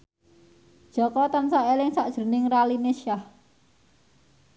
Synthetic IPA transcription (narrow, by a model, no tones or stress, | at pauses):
d̥ʒ̥ɔ̤kɔt̪ansaʔelɪŋsaʔd̥ʒ̥ə̤nɪŋralineʃah